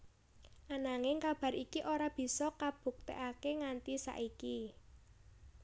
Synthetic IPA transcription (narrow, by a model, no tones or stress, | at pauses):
ʔanaŋɪŋkab̥ä̤ɾikiʔoɾab̥i̤sɔkab̥ṳk̚t̪ḛʔakeŋant̪isa̰ʔiki